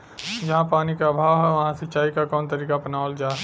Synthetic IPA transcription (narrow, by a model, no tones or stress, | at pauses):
d͡ʒɐɦãpaːnikaːbʱaːʋɦɛʋɐɦãsɪtːt͡ʃaːikakɔːnt̪əɾiːkapənaːld͡ʒaː